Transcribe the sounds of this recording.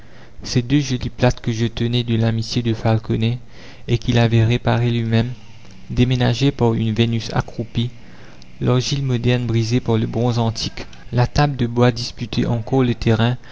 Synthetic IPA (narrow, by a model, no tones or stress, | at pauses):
sed̪øʒɔliplat̪kəʒət̪ənɛd̪əlamit̪jed̪əfalkɔnɛ | ekilavɛʁepaʁelɥimɛ̃m | d̪emenaʒepaʁynvenysa̰kχupi | lœʁʒilmɔd̪ɛʁnbʁizepaʁləbʁɔ̃zɑ̃t̪ʰik | lat̪abd̪əbwad̪ispyt̪ʰeʔɑ̃kɔʁlət̪eʁɛ̃